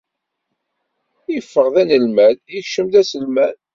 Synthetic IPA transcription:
ifːəʁðænəlmæðjəçʃəmðæsəlmæn

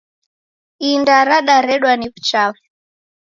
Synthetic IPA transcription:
indaɾaɗaɾɛɗwanivu̥t͡ʃavɛ

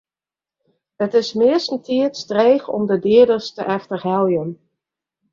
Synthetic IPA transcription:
ətɪsmɪəsəntiətstreːxɔ̰mdədɪədəstəʔɛxtəɦɛlˠjən

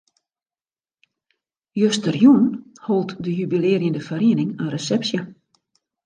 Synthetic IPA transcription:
jøstərjun | holˠtdəjybileːərjəndəfəɾiənɪŋənresɛpsjə

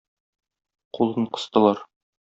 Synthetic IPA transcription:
qulˠɤɴqɤ̥̆st̪ɤ̆lˠɑɾ

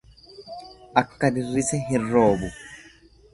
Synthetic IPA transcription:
ʔɐkːɐd̪ɪrːɪsɛɦɪrːoːbʊ

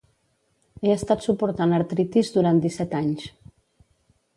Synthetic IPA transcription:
eəst̪at̪supuɾt̪anəɾt̪ɾit̪izd̪uɾant̪d̪isɛt̪aɲs

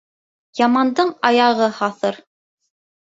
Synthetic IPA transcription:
jɑmɑnd̪ɤɴɑjɑʁɤhɑθɤɾ

